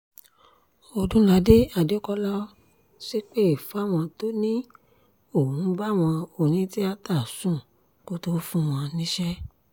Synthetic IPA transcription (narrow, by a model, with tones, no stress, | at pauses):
o˨dũ˦la˨˦de˦a˨de˨˦kɔ˧˦lɔ˦ | ʃe˦k͡pe˦i˨fa˦˨w̃ɔ̃˧to˦nĩ˦ | o˦˨ũ˨˦ba˦˨w̃ɔ̃˧o˦˨nĩ˨˦ti˦a˧ta˦˨sũ˦˨ | ko˦to˦fũ˦w̃ɔ̃˧nĩ˦ʃɛ˦